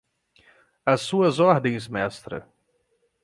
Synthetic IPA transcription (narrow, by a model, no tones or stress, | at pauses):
ɐsːuɐzɔɾd̪ẽj̃zmɛst̪ɾɐ̰